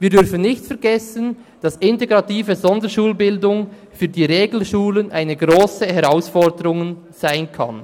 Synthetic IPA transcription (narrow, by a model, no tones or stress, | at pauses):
viːdʏɾfənnɪçtfɛɐʁɡɛsən | d̥ɑsɪnteɡʁɑtiːvəzɔndəʃuːlbɪldʊŋ | fyːdiːɾeːɡl̩ʃuːlənʔaɪnəɡʁoːsəhɛʁaʊsfɔʁdəɾʊŋ | z̥aɪnkʰɑ̰n